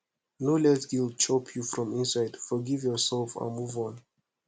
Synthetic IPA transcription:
nolɛsɡil̚ˠt͡ʃʰɔpʰjufɹɔ̃mɪ̃nsaɪdfɔɡivjɔsɛlˠfə̰nmuvɔ̃n

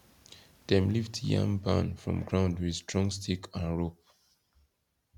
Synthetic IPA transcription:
ð̥ɛ̃mliftjã̰ŋbã̰nfɹɔ̰̃mɡɹãʊ̃ndwi̥stɹɔ̃ŋstʰikʰãnɹop̚

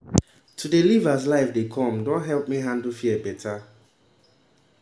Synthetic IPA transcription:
tʰudelivas̬laɪfdekʰɔ̃mdɔ̃nɦɛlp̚miɦãndl̩fibɛtʰa

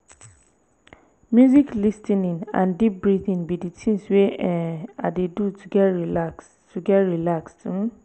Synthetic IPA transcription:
mjuziklistĩnĩnã̰ndip̚bɹiθĩnbiditʰĩnsweɛadedutuɡɛtɹilaks | tuɡɛtɹilakstũ

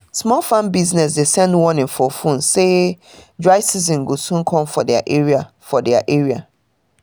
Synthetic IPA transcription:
smɔlfãnbiznɛs̬desɛ̃ndwɔ̃nɪ̃nfɔfũnsedɹaɪsizĩnɡosũnkʰɔ̃mfɔdɛa̰ʔeɹia | fɔdɛaʔeɹia̰

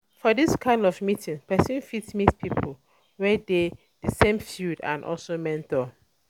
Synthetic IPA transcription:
fɔdiskʰãɪ̃ndɔfmitʰĩŋpɛsə̃nfitsmitpʰipʰəl | wɛde | dəsẽmfjudã̰nʔɔ̰lsomɛ̃ntə

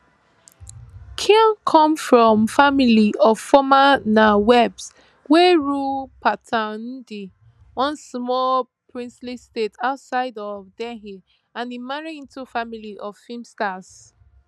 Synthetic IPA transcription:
kʰĩnkʰɔ̃mfɹɔ̃mfamiliʔɔv̥fɔmanawɛbs | wɛɹupʰatʰãndi | wɔ̃nsmɔl | pʰɹĩnslistetʰaʊtsaɪdɔvdɛɦi | ãnimaɹiĩntufamiliʔɔv̥fimstas

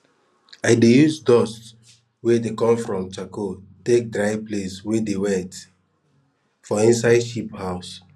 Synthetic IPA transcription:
aɪdejuzdɔs | wedekɔ̃mfɹɔ̃mt͡ʃakotek̚dɹaɪpleswedewɛt | fɔĩnsaɪʃiphaʊs

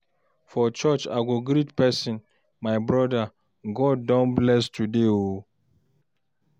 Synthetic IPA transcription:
fɔt͡ʃɔt͡ʃa̰ɡoɡɾitpɛsĩn | majbɾɔda | ɡɔd̚ːɔ̃nblɛstudeo

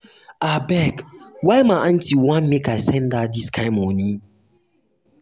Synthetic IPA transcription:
abɛkwamãʔan̩tʰiwãnmekasɛ̃ndadiskʰãɪmɔnĩ

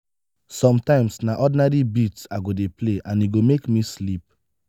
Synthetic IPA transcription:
sɔ̃mtãɪ̃msnaʔɔdinaɾibitsaɡodepleʔãniɡomekmislip̚

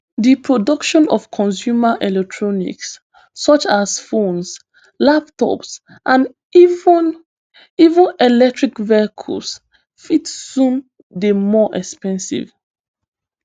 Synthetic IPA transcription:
dipʰɹɔdɔkʃɔ̃nɔ̰v̥kʰɔ̃ns̬juməʔɛlɛk̚tʰɹɔnḭksː | ɔt͡ʃasfõns | lap̚tʰɔ̰ps | ʔãn | v | ivə̃nɛlɛk̚tɹikvɛkʰṵls | fitːũn | demɔʔɛkspɛ̃nsḭv

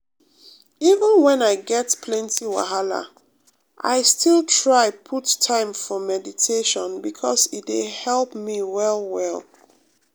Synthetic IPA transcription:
ivə̃nwɛ̃naɪɡɛtpʰlɛ̃ntiwa̰ɦala̰ | ʔa̰ɪstʰilˠtʰɹaɪpʰutʰːãɪ̃ɱfɔmɛditʰeʃɔ̃nbikʰɔsitdehɛlˠpmiwɛlˠwɛlˠ

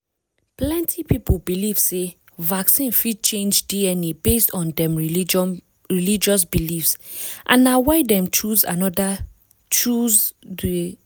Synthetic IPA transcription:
plɛ̃ntʰipipubiliv̥se | vaksĩnfid̚t͡ʃẽnd͡ʒdiɛnebestɔ̃ndɛ̃m | ɹilid͡ʒɔs̬bilifsʔã̰nːawaɪdɛ̃mt͡ʃuza̰nɔda | t͡ʃuzd

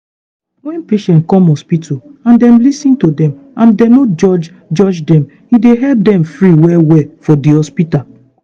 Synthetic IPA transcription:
wɛ̃npeʃɛ̃nt̚kɔ̃mɔspitoãndɛ̃mlisĩntodɛ̃mãndɛ̃nod͡ʒɔd͡ʒ | d͡ʒɔd͡ʒdɛ̃m | hideɦɛlp̚dɛ̃mfɹiwɛwɛfɔdihɔspita

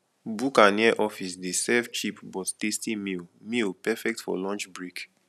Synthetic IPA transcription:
bukaniɛʔɔfisdesɛvt͡ʃipbɔttestimilmilpɛfɛk̚tfɔ̰lɔ̃nt͡ʃbɹik

